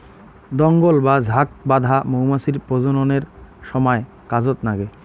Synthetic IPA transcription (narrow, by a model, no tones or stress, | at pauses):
d̪ɔŋɡolbad͡ʑʱak̚bad̪ʱamowmasiɾpod͡ʑononeɾʃɔmɔe | kad͡ʑot̪naɡe